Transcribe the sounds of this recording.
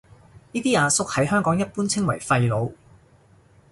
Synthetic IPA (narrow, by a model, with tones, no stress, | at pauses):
niː˥t̪iː˥aː˨˧sʊ˥k̚hɐ˨˥jhœː˥ŋkɔː˨˥ŋjɐ˥t̚puː˥nt͡sʰɪ˥ŋwɐ˨˩jfɐ˧jlo˨˧w